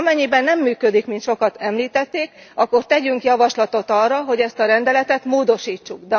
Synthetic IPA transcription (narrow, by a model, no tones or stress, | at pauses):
mɛɲːibɛnːɛmːyːkød̪ikmint̪ʃo̞kɒt̪ɛmliːt̪ɛt̪ːeːkɒkːo̞rt̪ɛɟyŋkjɒvɒʃlɒt̪o̞t̪ɒrːɒɦo̞ɟɛst̪ɒɾɛnd̪ɛlɛt̪ɛt̪moːd̪o̞ʃiːt͡ʃːuɡd̪ɛ